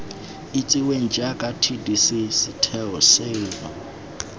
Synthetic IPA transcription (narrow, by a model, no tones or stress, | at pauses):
it͡sʼiweŋ̩d͡ʒakʼatʰidisisitʰɛɔseba